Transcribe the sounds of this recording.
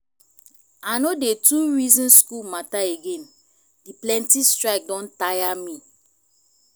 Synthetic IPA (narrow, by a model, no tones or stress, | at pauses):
anodetuɹizɔ̃nskulmataeɡẽn | diplɛ̃ntistɹaɪk̚dɔ̃ntajamĩ